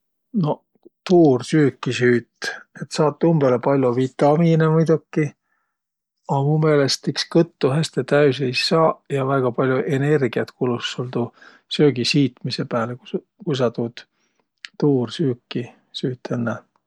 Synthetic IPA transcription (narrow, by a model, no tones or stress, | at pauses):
no̞ | t̪uːrsyːkːisyːt̪ːet̪sɑːt̪ːˑumb̥elepɑlʲjovit̪ːˑɑminemujd̪̥ukːi | ɑmume̞ːlest̪ikskɤt̪ːuɦæst̪et̪æys̬ejsɑːjɑvæɡ̥ɑpɑlʲjuʔe̞ne̞rɡ̥iɑt̪kulusːold̪u | søːɡ̥isiːt̪misepæːleku | kujs̬ɑt̪uːd̪̥ | t̪uːrsyːkːi | syːt̪ːˑenːæ